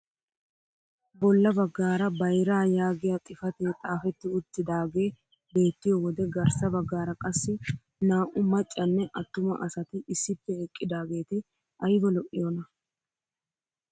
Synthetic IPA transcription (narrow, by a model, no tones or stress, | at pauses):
bɔlːɐbɐɡːaːɾɐbɐjɾaːjaːɡɪjɐt̪ʼɪfɐt̪eːt̪ʼaːfɛt̪ːɪʊt̪ːɪd̪aːɡe̞ː | be̞ːt̪ːɪjowɔd̪ɛɡɐɾsɐbɐɡːaːɾɐkʼɐsːɪ | naːʔʊmɐt͡ʃʼːɐnːɛʔɐt̪ːʊmɐ̰ʔɐsɐt̪ɪɪsːɪpːɛɛkʼːɪd̪aːɡe̞ːt̪ɪ | ʔɐjbɔlɔʔɪjɔnɐ